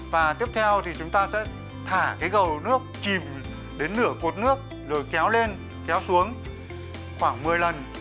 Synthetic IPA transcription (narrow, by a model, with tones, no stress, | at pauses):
vaː˨˩t̪i˦˥əp̚t̪ʰɛ˧wt̪ʰi˨˩t͡ɕʊ˨˦ŋ͡mt̪aː˧sɛ̰˧˥ | t̪ʰaː˧˩kaː˨˦jɣə˨˩wnɨ˦˥ək̚t͡ɕi˨˩m | ɗe˨˦nːɨ˧˩əko˨˩t̚nɨ˦˥ək̚ | zo˨˩jkɛ˨˦wle˧n | kɛ˨˦wsu˨˦əŋ | xwaː˧˩ŋmɨ˨˩əjlə˨˩n